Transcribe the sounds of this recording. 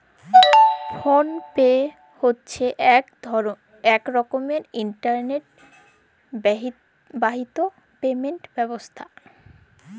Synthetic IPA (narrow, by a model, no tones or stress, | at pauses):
fonpe | hotːɕʰeʔ | ɛkɾɔkomeɾiɳʈaɾneʈ̚ | baɦit̪o | pemeɳʈbɛbost̪ʰa